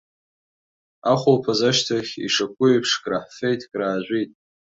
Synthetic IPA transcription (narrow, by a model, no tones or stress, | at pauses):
aχʷolpʰazaʃtʰaχʲḭʂakʷʼʊjpʰʂkʼraħfe̞jtʼkʼraːʒʷitʼ